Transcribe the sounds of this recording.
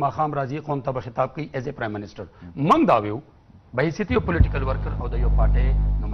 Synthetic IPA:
maːxaːmɾaːziqoːnt̪ɐbɐxɪt̪aːb̚kɐiʔezepɾaːjmːɪnɪsʈɐɾmɐŋɡd̪aːwiw | bɐɦisit̪ɐjopʊlɪʈikɐlwɐɾkɐɾɐwd̪ɐjoːpaːʈenɐm

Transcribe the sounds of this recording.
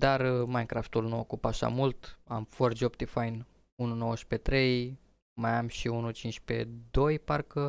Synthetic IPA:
d̪armajnkɾaft̪ulnuokupaʃa̰mult̪a̰mford͡ʒopt̪ifajn | ununo̞wəʃpe̞t̪ɾe̞j | majamʃiunut͡ʃint͡ʃʲpe̞̰d̪o̞jparkə

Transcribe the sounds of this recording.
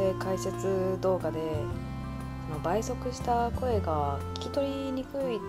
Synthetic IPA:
ekaise̞t͡sɨd̪o̞ːɡad̪e̞ | sonobaiso̞kɯ̟ɕi̥t̪ako̞e̞ɡakʲi̥kʲi̥t̪o̞ɾʲi | ɲ̟ikɯ̟i

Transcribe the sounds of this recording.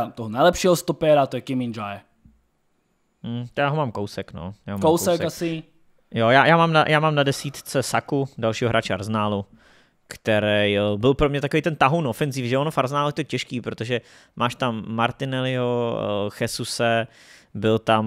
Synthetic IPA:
at̪oɦɔnajlɛpʃɪɛɦɔst̪ɔpɛɾat̪ojɛkɪmɪnd͡ʒaj | m̩jaːɦomaːmkowsɛkno̰jaːɦomkoawsɛkasi | jojaːjʔaːmaːmna̰jaːmaːmnadɛsiːt̪t͡sɛsakudalʃiːɦoɦɾaːt͡ʃɛa̰ɾznaːlu | kt̪ɛɾɛjbɪlpɾomɲɛt̪akovijt̪ɛnt̪aɦuwnofɛnzifʒɛonofaɾznaːlɛt̪oɛcɛʃkiːpɾot̪oʒɛ | mʔaːʃt̪amːaɾt̪ɪnɛlɪɦoxɛsusɛ | bɪlt̪am

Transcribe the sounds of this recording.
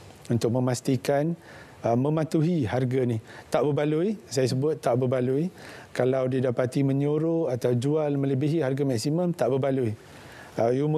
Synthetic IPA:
unt̪ʊk̚mə̃mast̪ikan | əmə̃mat̪uɦiharɡanit̪aʔbəbaluisajas̬əbʊt̪ːaʔbəbaluikalawdidapat̪imə̃ɲoɾoat̪awd͡ʒualmə̃ləbiɦiɦarɡamaksimə̃mt̪aʔbəbalui | əjum

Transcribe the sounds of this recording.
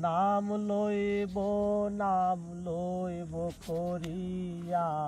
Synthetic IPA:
namloibonaːmloibokʰoɾi | ja

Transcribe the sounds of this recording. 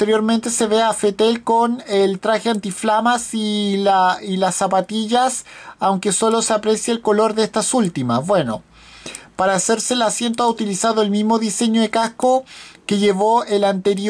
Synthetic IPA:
ot̪eɾjo̞ɾment̪e̞seβeafet̪elkonelt̪ɾaxeant̪iflamasilailasːapat̪iʝasawŋke̞so̞loseapɾesjaːlko̞lo̞ɾðeest̪asult̪imasβwe̞no̞̰ | paɾaːseɾseːlasje̞nt̪oaut̪ilisaðoelmizmo̞ðise̞ɲoðekahkoke̞ʝeβoelant̪eɾj

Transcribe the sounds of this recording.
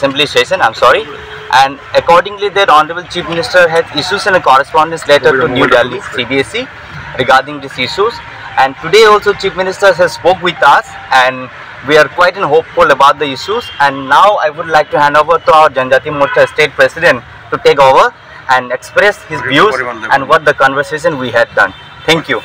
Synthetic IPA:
sɪ̃mpliʃeːʃə̃nãɪ̃msɔːɾi | ʔɛ̃ɳɖ | əkɔːɾɖɪ̃ŋlid̪eɾɔːnəɾəbəlt͡ʃiːfmɪnɪsʈəɾɦɛzɪʃuːzɪ̃nəkɔɾəspɔ̃ːɳɖə̃nsleːʈəɾʈunjuːɖɛlisiːbiesi | ɾɪɡaːɾɖɪ̃ŋd̪ɪsɪʃuz | ɛ̃ɳɖʈuɖeːɔːlsoːt͡ʃiːfmɪnɪsʈəɾɦɛzspoːkʋɪt̪as | ɛ̃ɳɖ | ʋiaɾkwaɪʈɪ̃nɦoːpfʊləbaʊʈ̚d̪əɪʃuzɛ̃ɳɖnaʊa̰ɪʋʊɖlaɪk̚ʈuhæ̃ɳɖoːʋəɾt̪uaʊəɾd͡ʒɐ̃nd͡ʒaːt̪imoːɾʈəsʈeːʈ̚pɾɛsɪɖə̃ɳʈ | ʈːuʈeːk̬oːʋəɾ | ʔɛ̃ɳekspɾɛshɪzʋjuːzɛ̃nʋɔʈ̪̚d̪əkɔ̃nʋəɾseːʃə̃nʋiɦɛv̚ɖʌ̰̃n | t̪ʰɛ̃ŋkju

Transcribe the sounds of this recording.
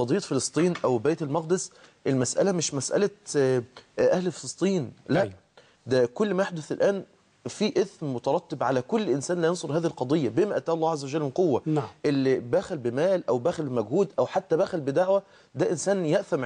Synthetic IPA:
ɑd̪ˤijːɑt̪felesˤt̪ˤiːnʔæwbæːt̪ælmɑqd̪esʔelmæsʔæ̰læmɪʃmæsʔæ̰læ | ʔæhlfelesˤt̪ˤiːnlæ | d̪ækolːmæjeħd̪oθelʔæːn | fiːʔeθmmot̪ɑɾˤɑt̪ˤːebʕalækolːʔɪnsæːnlæjensˤoɾhæːðihlqɑd̪ˤejːæbemæʔæt̪ːæːʔɑlˤːæːʕazːæwæʒælmenqowːæʔelːibæːxælbɪmæːlʔæwbæːxælbemæɡhuːd̪ʔæwħat̪ːæbæːxælbɪd̪aʕwæ | d̪æʔɪnsæːnjeʔθæmʕ

